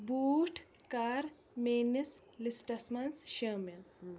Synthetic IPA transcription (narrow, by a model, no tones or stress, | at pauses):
buːʈʰ | kaːɾ | meːnes | lisʈɐsmɐnsʃɐːmil